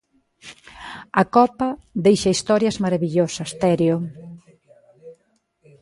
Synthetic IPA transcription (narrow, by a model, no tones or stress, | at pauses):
ɐkɔpɐðejʃɐist̪ɔɾjɐzmɐɾɐβiʎosɐst̪ɛɾjo